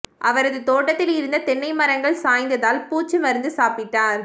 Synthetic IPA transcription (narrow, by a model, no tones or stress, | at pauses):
ʔɐʋɐɾɐðɯt̪oːʈːɐt̪ːɪlɪɾɯnd̪ɐt̪ɛɳːɐɪmɐɾɐŋɡɐɭsaːjnd̪ɐðaːlpuːt͡ʃːɯmɐɾɯnd̪ɯsaːpɪʈːaːɾ